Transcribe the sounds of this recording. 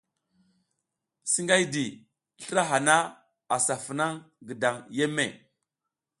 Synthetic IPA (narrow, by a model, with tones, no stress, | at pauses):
si˦ŋɡa˦jdi˨ | ɬə˦ɾa˦ɦa˨na˦ | a˨sa˨fə˨na˦ŋ | ɡə˨da˨ŋje˦mːe˨